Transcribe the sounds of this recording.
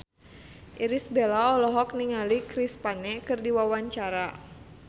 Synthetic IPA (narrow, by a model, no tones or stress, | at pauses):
ʔiɾisbelaɔlɔɦɔk̚niŋalikɾispanɛkɨrdiwawaɲt͡ʃaɾa